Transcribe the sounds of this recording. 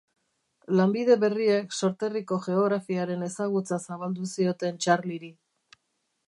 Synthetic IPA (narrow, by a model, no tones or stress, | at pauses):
lambið̞e̞βe̞rie̞kso̞ɾt̪e̞riko̞ʝe̞o̞ɣɾafiaɾe̞ne̞saɣ̞ut͡sasaβald̪usio̞t̪e̞nt͡ʃarliɾi